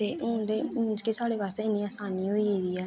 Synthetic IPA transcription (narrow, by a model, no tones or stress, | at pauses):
t̪eːʊ̃ːd̪eːmʊ̃d͡ʒkeːsaːɽeːbaːst̪ːɪnːĩːaːsaːniːɦoiːeːd̪iːɛː